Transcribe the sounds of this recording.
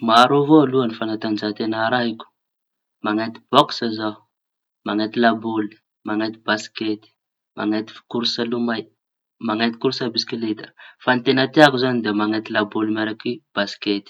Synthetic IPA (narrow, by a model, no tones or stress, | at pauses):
maɾovoaluanifanat̪and͡ʒat̪enaɾaɦikʲu̥ | maŋat̪i̥b̥ɔksaza | maŋat̪ilaboli̥ | maŋat̪ibasket̪i̥ | ma̰ŋat̪i̥fkuɾusalumaj | maŋat̪ikuɾusabiskilet̪ə̥fanit̪enat̪eakuzanid̪eamaŋat̪ilabolimaɾakib̥asi̥ket̪i̥